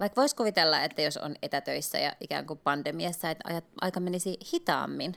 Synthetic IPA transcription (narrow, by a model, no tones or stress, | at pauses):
ʋɑikʋoiskuʋit̪elːɑet̪ːæjoso̰net̪æt̪øisːæ̰jɑ̰ʔikæ̰ːŋkupɑnd̥̪emiɑsːɑet̪ɑ̰jɑt̪ʔɑ̰ikɑmenisihit̪ɑ̰ːmːin